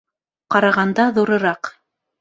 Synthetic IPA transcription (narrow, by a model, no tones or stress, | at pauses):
qɑɾɑʁɑnd̪ɑðuɾɤ̆ɾɑq